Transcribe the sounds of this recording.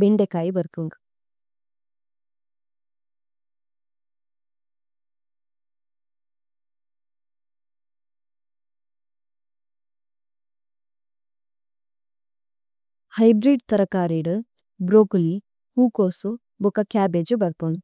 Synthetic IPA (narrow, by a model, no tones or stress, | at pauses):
beɳɖekaːjbɐɾkuŋɡ | hɐjbɾiɖt̪ɐɾɐkaːɾeːɖɨ | bɾoːkli | huːkoːsu | bokakaːbed͡ʒubɐɾpuŋɡ